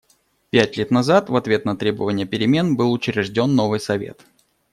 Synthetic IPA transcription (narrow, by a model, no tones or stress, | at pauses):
pʲætʲlʲet̪nɐzat̪vɐt̪vʲe̞t̪nɐt̪ɾʲe̞bəvənʲɪjəpʲɪɾʲɪmʲe̞nbɨlˠʊt͡ɕɾʲɪʐdʲo̞nːo̞vɨjsɐvʲḛt̪